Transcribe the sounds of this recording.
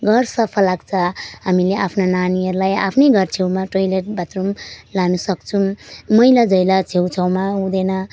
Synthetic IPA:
ɡʌrsʌpʰʌlːaɡt͡sʰʌɦamileʔapʰnananiʌɾlaja̰pʰnʌjɡʱʌrt͡sʰewmaʈojleʈ̚bat̪rumlanusʌkt͡sʰumʌjlad͡zʌjlat͡sʰewt͡sʰʌwmaũd̪enʌ

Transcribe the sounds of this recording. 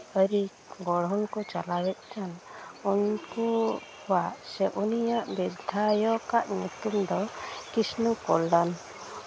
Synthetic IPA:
əɾi | ɡɔɽ̤ɔnkɔt͡ʃalawɛt̪̚t͡ʃʰanunkɔhɔwaʔsɛʔunijaʔbɛd̪ʱajɔkaʔɲut̪umd̪ɔkisnukɔlɖan

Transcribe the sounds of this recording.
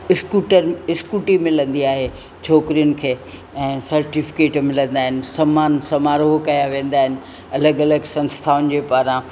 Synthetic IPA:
ɪskuːʈəɾɪskuːʈimɪlə̃nd̪iaːɦe | t͡ɕʰoːkɾijʊnɪ̆kʰeː | ɛ̃ːsɐɾʈifɪ̥keːʈmɪlə̃nd̪aːɦɪnɪ̆sɐmaːnsɐmaːɾoːɦkɐjaʋẽːnd̪aːɦɪnɪ̆ | ɐləɡɐləɡsɐ̃nst̪ʰaːʊnɪ̆d͡ʑeːpaːɾã

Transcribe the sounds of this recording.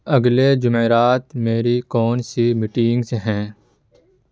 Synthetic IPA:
əɡleːd͡ʒʊmeɾaːt̪meːɾikoːnsimɪʈiːɪ̃ŋɡseɦɛ̃ː

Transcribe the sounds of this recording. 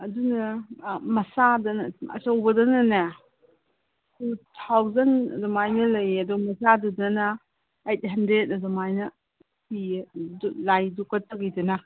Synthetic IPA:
ɐdunɐmɐsadɐnɐɐ̰sɐwbɐdɐnɐnɐ | tʰutʰawzɐnɐ̰dumajnɐlɐjɐduɡmɐsadɐdɐnɐː | jt̚ɦɐndɾet̚ɐdumajnɐ | si | lajdukɐtːɐɡijdɐnɐ

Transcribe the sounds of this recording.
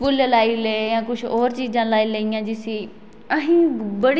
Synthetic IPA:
ʊllaːiːlejãːkʊt͡ʃʰɔːɾt͡ʃiːd͡ʒãːlaːiːləijãːd͡ʒɪsiː | əɦĩːbəɽ

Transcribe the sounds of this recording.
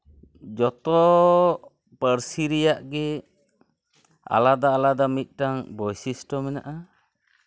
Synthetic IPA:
d͡ʒɔt̪ɔ | pəɾsiɾɛjaʔɡɛ | a̰lad̪aːlad̪amit̪̚ˀʈaŋbɔjsisʈɔmɛna̰ʔa

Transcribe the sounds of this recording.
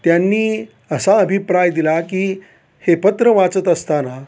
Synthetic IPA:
t̪janːiː | əsaəbʱipɾajd̪ilakiː | hepət̪ɾəʋat͡sət̪əst̪ana

